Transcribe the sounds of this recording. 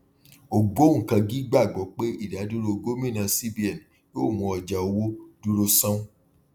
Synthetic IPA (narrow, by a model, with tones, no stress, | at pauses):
o˨ɡo˦˨kã˧ɡi˦ɡ͡ba˦˨ɡ͡bɔ˨˦k͡pe˦i˦˨da˨˦du˦ɾo˦˧ɡo˦mĩ˦˨nã˧si˦˨bi˨ɛ˨n˨ | jo˦˨mũ˧ɔ˧˨d͡ʒa˨o˧wo˦du˦ɾo˧sã˦